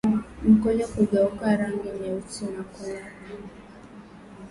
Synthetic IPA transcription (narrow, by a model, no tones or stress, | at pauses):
m̩kɔɲakuɡaukaɾaŋɡiɲɛutinakɔna